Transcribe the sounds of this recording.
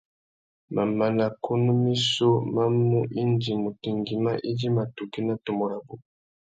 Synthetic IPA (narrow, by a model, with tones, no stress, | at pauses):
ma˨ma˨na˨ko˦nu˦mi˦so˦ma˦mu˦ʔi˦nd͡ʒi˨mu˨ti˨ŋɡi˨ma˦ʔi˦d͡ʒi˦ma˨tu˨ki˦na˦to˨mɔ˨ɾa˨bu˨